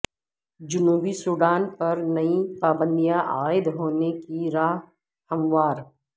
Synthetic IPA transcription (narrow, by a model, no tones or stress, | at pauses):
d͡ʒʊnuːbisʊɽaːnpɐɾnɐipaːbə̃nd̪ijãʔaːɪd̪ɦoːnekiɾaːɦ | hɐmʋaːɾ